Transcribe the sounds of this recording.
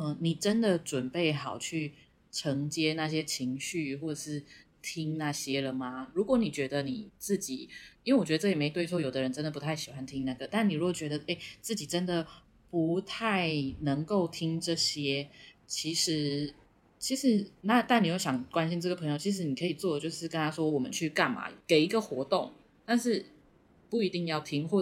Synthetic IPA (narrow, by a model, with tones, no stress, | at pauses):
ə˧˩ni˨˩ʈ͡ʂə˦nd̪ə˨ʈ͡ʂwə˨˩npe˥˩ɪxɑ˨˩ʊt͡ɕʰy˥˩ | ʈ͡ʂʰɤ˧˥ŋt͡ɕjɛ˥na˥˩ɕ̬jɛ˥t͡ɕʰi˧˦ŋɕy˥˧xwɔ˥˩ʈ͡ʂə˨˩ʂɻ̩˥˩ | t̪ʰi˥ŋna˥˩ɕjɛ˦lə˨ma˩ɻu˧˥kwɔ˧˥˦ni˨˩t͡ɕɥɛ˧˥d̪ə˧ni˨˩t͡sɹ̩˥˩t͡ɕḭ˨˩˦i˥nwe˥˩wɔ˨˩t͡ɕɥ̪ə˧˥˩jɛ˨˩me˧˥ɪt̪we˥˧ɪo˥ʊjo˨˩ʊd̪ə˦ɻə˧˦nʈ͡ʂə˥nd̪ə˩pu˧˦t̪ʰa˥˩ɪɕi˨˩xwa˦˥nt̪ʰi˥ŋna˥˩ɡə˩t̪a˥˩ni˨ɻu˧˥ɡo˨˩t͡ɕɥɛ˧˥d̪ə˧ʔe˥˩ɪt͡sɹ̩˥˩t͡ɕi˨˩ʈ͡ʂə˦˥nd̪ə˨ | pu˧˦t̪ʰa˥˩ɪnə˧˥ŋko˥˩ʊt̪ʰi˦˥ŋʈ͡ʂɤ˥˩ɕjɛ˥t͡ɕʰi˧˥ʂɻ̩˧˥ | t͡ɕʰi˧˥ʂɻ̩˧˦na˥˧t̪a˥˩ni˨˩jo˥˩ʊɕjɑ˨˩ŋkwa˥nɕi˥nʈ͡ʂɤ˥˩ɡə˩pʰɤ˧˥ŋjo˨˩ʊt͡ɕʰi˧˥ʂ̬ɻ̩˧˥ni˨˩kʰɤ˧˥i˨˩t͡swɔ˥˩d̪ə˩t͡ɕjo˥˧ʊʂɻ̩˥˩kə˦nt̪ʰa˥ʂwɔ˥wɔ˨˩mə̰˦nt͡ɕʰy˥˧ka˥˩nma̰˩ke˨˩ɪi˧˥ɡə˨xwɔ˧˥t̪o˥˩ŋ | t̪a˥˧nʂɻ̩˥˩ | pu˥˩i˧˥t̪i˥˧ŋjɑ˥˩ʊt̪ʰi˥ŋxwɔ˥˧